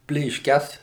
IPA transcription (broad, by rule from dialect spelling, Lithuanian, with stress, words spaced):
pʲlʲeːʃʲˈkʲɛs